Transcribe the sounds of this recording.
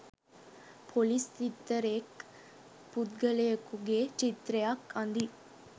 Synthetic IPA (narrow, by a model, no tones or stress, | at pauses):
pʰolist̪it̪ːəɾek | put̪ɡəlejəkuɡet͡ʃit̪ɾejakand̪i